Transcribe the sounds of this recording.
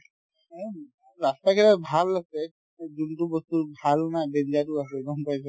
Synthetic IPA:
ɹastakʰɛlabʱalasɛ | d͡ʒuntubɔst̪ubʱalnadend͡ʒatuas̬ɛɡɔmpajsʰɔ

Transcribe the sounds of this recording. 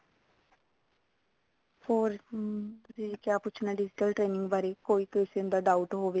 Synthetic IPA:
hoːɾt̪ʊsĩkjaːpʊːt͡ʃʰnaːɖɪd͡ʒɪʈəlʈɾeːnɪ̃ŋɡbaːɾeːkoːiːk̪oɪseːʊnd̪aːɖaːuʈɦoːʋeː

